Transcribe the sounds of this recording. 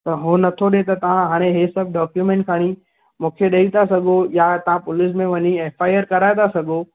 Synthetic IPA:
t̪ɐɦoːnɐt̪ʰoɗet̪ɐt̪ɐʋ̤ãɦaːɽ̃eɦesɐb̚ɖɔːkjumɛ̃ːɳʈ̚kʰaːɽ̃i | mũːkʰeɗɐit̪ʰasɐɡʱojat̪ɐʋ̤ãpʊlɪs̬mẽʋɐɲieːfaːɪəɾkɐɾaːet̪ʰasɐɡʱo

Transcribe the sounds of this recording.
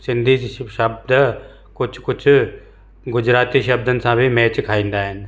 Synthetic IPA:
sɪ̃nd̪ʱiːʃəb̚d̪ | kʊt͡ʃʰkʊt͡ʃʰ | ɡʊd͡ʒɾaːt̪iːʃəb̚d̪ənsãːbʱimɛːt͡ʃkʰaːĩːnd̪aːɦɪn

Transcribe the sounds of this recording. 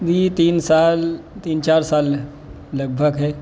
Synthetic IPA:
d̪ʱiːt̪iːnsaːlt̪iːnt͡ʃaːɾsaːlː | ɐɡ̚bʱəɡɦɛː

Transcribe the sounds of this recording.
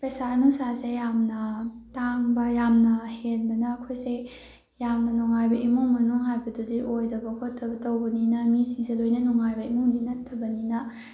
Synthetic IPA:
pesanusasejamnɐtaŋbɐjamnɐhenbɐnɐːkʰojse | jamnɐnuŋajbɐʔimuŋmɐnuŋɦajbɐdudiʔojdɐbɐkʰotʰːɐbɐtɐwbɐninɐmisiŋselojnɐnuŋajbɐimuŋdinɐtʰːɐbɐninɐ

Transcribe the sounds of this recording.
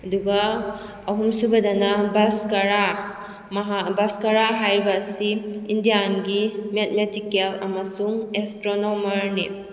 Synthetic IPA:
ɐduɡɐː | ɦumsubɐdɐnɐbaskaɾa | mɦabaskaɾaɦajɾibɐːsiːndijanɡimet̚metikelɐmɐsuŋestɾonomɐɾnḭ

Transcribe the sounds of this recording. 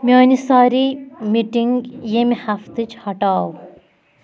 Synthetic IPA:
miɔnisaːɾimiʈiŋɡjemihaft̪ɨt͡ʃʰhɐʈaːw

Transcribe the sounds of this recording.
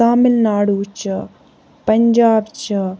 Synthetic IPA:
aːmilnaːɽuːt͡ʃɐ | pɐɲd͡ʒaːbt͡ʃɐ

